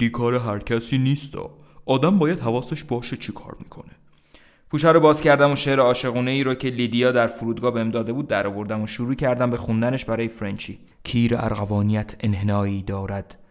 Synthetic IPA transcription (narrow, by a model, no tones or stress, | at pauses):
d̪iːkʰɒːɾeɦæɾcʰæsiːniːst̪ɒ̰ː | ʔɒːd̪æmbɒːjæd̪ɦævɒːseʃbɒːʃet͡ʃʰikʰɒ̰ːɾmiːkʰo̞̰ne | pʰuːʃæɾobɒːzcæɾd̪æmoʃe̞ɾeɒːʃe̞ɣuːne̞iːɾɔːcʰe̞lid̪ijɒːd̪æɾfoɾuːd̪̚ɡɒːhbemd̪ɒːd̪e̞buːd̪ːæɾɒːvo̞ɾd̪æmoʃuɾuːcʰæɾd̪æmbe̞xund̪æneʃbæɾɒːje̞fɾent͡ʃʰiː | cʰiːɾeæ̰ɾɣævɒːnijæt̪ʰe̞nɦenɒːiːd̪ɒːɾæd̪̥